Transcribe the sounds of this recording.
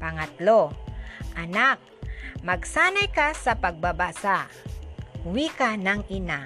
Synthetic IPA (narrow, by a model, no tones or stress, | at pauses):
pɐŋat̪loʔanak̚mɐɡsanajkasapaɡ̚babasaʔ | wikanaŋɪna